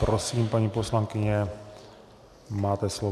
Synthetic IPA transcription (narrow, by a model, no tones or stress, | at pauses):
pɾosiːmpaɲiːposlaŋkɪɲɛ | maːt̪ɛslo